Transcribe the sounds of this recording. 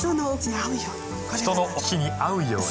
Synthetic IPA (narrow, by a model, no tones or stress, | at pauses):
t̪onookʲiɲiaɯ̟joː | t̪o̞nookʲiɲ̟iaɯ̟jo̞̰ː